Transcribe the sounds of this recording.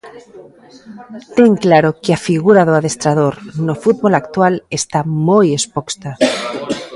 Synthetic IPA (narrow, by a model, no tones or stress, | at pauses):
t̪eŋklaɾokeafiɣuɾaðoaðest̪ɾað̞oɾnofut̪̚βolakt̪walest̪amojespokst̪a